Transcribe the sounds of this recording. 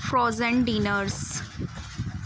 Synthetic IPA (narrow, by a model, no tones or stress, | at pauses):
fɾɔːzə̃ɳɖĩːnəɾs